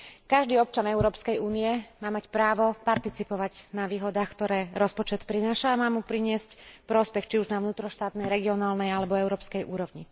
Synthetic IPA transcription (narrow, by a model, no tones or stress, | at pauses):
kaʒd̪iːɔp̚t͡ʃanɛuɾɔːpskɛjuːniɛmaːmacpɾaːʋɔpaɾt̪it͡sipɔʋaɟnaʋiːɦɔd̪aːxkt̪ɔɾɛːɾɔspɔt͡ʃɛt̪pɾinaːʃaːmaːmupɾiɲɪɛscpɾɔspɛxt͡ʃiuʒnaʊnuːt̪ɾɔʃt̪aːt̪nɛjɾɛɡiɔnaːlnɛjalɛbɔɛʊɾɔːpskɛjʔuːɾɔʋɲi